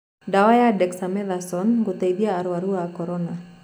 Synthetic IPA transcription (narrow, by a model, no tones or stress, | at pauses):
dawajadɛksamɛlasɔnɡut̪aidiaːɾuwaɾuakɔɾɔna